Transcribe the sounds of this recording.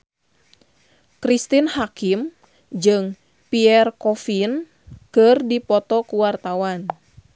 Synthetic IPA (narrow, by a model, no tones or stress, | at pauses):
kɾist̪inhakim | d͡ʒɨŋ | piɛrkɔfin | kɨrdipɔt̪ɔkuwart̪awan